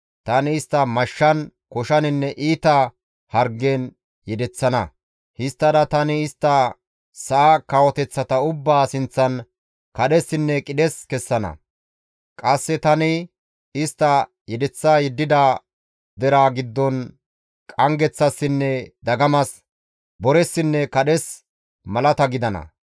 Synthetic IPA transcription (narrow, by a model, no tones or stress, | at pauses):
t̪ɐnɪːst̪ːɐmɐʃːɐnkɔʃɐnɪnːɛʔiːt̪ɐ | hɐɾɡːen | jɛd̪ɛt͡sːɐnɐ̰ | hɪst̪ːɐd̪ɐt̪ɐnɪːst̪ːɐ | sɐʔakɐwɔt̪ɛt͡sːɐt̪ɐʊbːaːsɪnt͡sːɐn | kɐɗɛsːɪnːɛkʼɪd̪ɛskɛsːɐnɐ̰ | kʼɐsːɛt̪ɐnɪ | ɪst̪ːɐ | jɛd̪ɛt͡sːaːjɛd̪ːɪd̪a | d̪ɛɾaːɡɪd̪ːɔn | kʼɐŋɡɛt͡sːɐsːɪnːɛd̪ɐɡɐmɐs | bɔɾɛsːɪnːɛkɐɗɛs | mɐlɐt̪ɐɡɪd̪ɐnɐ̰